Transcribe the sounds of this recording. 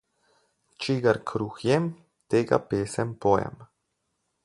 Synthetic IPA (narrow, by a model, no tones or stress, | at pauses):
t͡ʃiɡaɾkʰɾuːxjɛm | t̪eːɡa̰peːsɛmpojɛ̰m